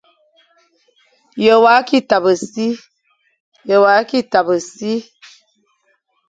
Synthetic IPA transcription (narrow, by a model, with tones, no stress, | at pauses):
jə˨wa˨˦ki˦ta˨bə˨si˦ | jə˨wa˨˦ki˦ta˨bə˨si˦